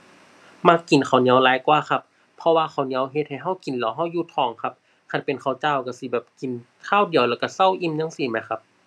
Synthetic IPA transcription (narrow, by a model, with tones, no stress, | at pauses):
ma˧˥kːi˨˩nkʰa˨˩wni˧˦əwlaː˨˦jkwaː˧˨xʰa˧˥pʰː | ɔ˧waː˧xʰa˨˩wni˧˦əwɦe˧t̪̚ha˧˩jɦa˧˥˩wki˨nlɔː˨˦wɦa˧˥˩wjuː˧t̪ʰɔː˨˩˦ŋkʰa˧˥p̚ | kʰa˧˩npe˨nkʰa˨˩wt͡ɕaː˧˩˨wka˧˩si˧˦bɛː˨˩p̚ki˨˩n | k̪ʰaː˧˥˨wdi˨əwlɛː˧˩wka˧˩sa˧˥˨wʔi˧˨mɲa˧˥˨ŋsiː˧˩ma˨˧˦jkʰa˧p̚